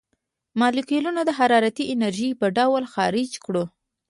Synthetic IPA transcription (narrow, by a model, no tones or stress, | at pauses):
mɑlikelunod̪əɦaɾɑɾat̪iʔɪnaɾʒipəɖawlxɑɾɪd͡ʒkɽo